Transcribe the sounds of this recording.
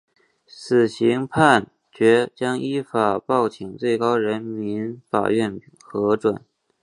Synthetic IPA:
sɹ̩˨˩ɕi˧˥ŋpʰa˥˩n | t͡ɕɥɛ˧˥t͡ɕjɑ˥ŋʔi˥fa˨˩pɑ˥˩ʊt͡ɕʰi˨˩ŋt͡swe˥˩ɪkɑ˥ʊɻə˧˥nmi˧˥nfa̰˨˩ɥɛ˥˩n | xɤ˧˥ʈ͡ʂwa˨˩˦n

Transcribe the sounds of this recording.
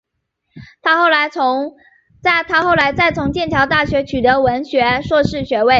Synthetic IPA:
t̪ʰa˥xo˥˩ʊla˧˥ɪt͡sʰʊ˧˥ŋ | t͡sa˥˩ɪt̪ʰa˥xo˥˩ʊla˧˥ɪt͡sa˥˩ɪt͡sʰʊ˧˥ŋt͡ɕjɛ˥˩nt̪ʰjɑ˧˥ʊt̪a˥˩ɕɥɛ˧˥t͡ɕʰy˨˩t̪ɤ˧˥wə˧˥nɕɥɛ˧˥ʂwɔ˥˧ʂɻ̩˥˩ɕɥɛ˧˥we˥˩ɪ

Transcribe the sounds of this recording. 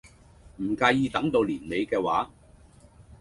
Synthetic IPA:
m̩˨˩kaː˧jjiː˧t̪ɐ˨˥ŋt̪o˧wliː˨˩nle˨˧jkɛː˧waː˨˥

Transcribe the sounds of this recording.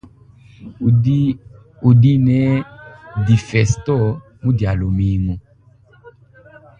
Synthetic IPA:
u˨di˦nɛ˨˦di˨fɛ˨stɔ˦ | mu˦dja˨lo˨mi˨˦mu˨

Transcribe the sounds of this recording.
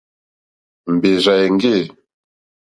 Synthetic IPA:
m̩˨be˨za˨e˨ŋ˦ɡe˦˨

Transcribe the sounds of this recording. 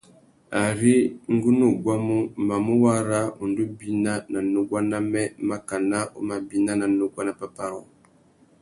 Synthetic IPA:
a˨ɾi˦ŋ˦ɡu˦nu˦˨ɡwa˦mu˦ma˨mu˦wa˦ɾa˦u˨ndu˦bi˦na˦na˨no˦ɡa˦na˦mɛ˦ma˦ka˨na˦o̰˦ma˨bi˦na˦na˨no˦ɡwa˦na˨pa˦pa˦ɾɔ˨

